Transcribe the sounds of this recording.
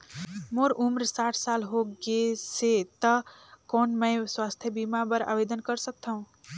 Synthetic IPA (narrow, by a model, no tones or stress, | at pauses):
moɾʔumɾsaʈʰsalɦoɡeset̪əkonməɪswast̪ʰjəbimabəɾa̰bed̪ənkəɾsək̚t̪ʰəũ